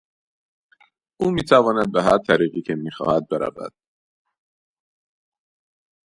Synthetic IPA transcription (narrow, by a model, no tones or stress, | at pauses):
ʔuːmiːt̪ʰævɒːnæd̪̚beɦæɾt̪ʰæɾiːɣiːcʰemiːxɒ̰ːhæd̪̚beɾæ̰væ̰d̪̥